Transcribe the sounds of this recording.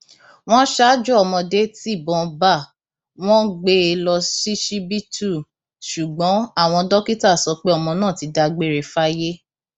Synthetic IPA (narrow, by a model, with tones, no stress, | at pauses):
w̃ɔ̃˦ʃa˦d͡ʒɔ˦ɔ˧˨mɔ̃˧de˨˦ti˦˨bɔ̃˧ba˦˨ | w̃ɔ̃˦ɡ͡be˦e˧lɔ˧si˦ʃi˦bi˦tʰu˦˨ | ʃu˨ɡ͡bɔ̃˨˦a˦˨w̃ɔ̃˧dɔ˦ki˦ta˦˨sɔ˧˦k͡pe˦ɔ˦˨mɔ̃˧nãː˦˨ti˨˦da˧ɡ͡be˦ɾe˨fa˦je˦